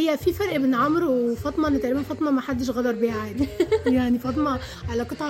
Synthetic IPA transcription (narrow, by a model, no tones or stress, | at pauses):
ejːæfifæɾˤʔebnʕomɾwefɑt̪ˤmɑnet̪ʕlebænfɑt̪ˤmɑmæħad̪ːeʃ̬ɣæd̪ɑɾˤbeʕad̪jaʕnifɑt̪ˤmɑ | ʕalæqɨt̪ˤɑʕ